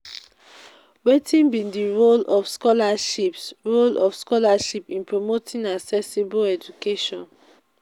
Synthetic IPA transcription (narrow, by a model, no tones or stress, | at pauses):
wetʰĩnbĩndiɹolɔfskɔlaʃipsɹolɔfskɔlaʃipĩnpɹomotʰĩnaksɛsiboɛd͡ʒukeʃɔ̃n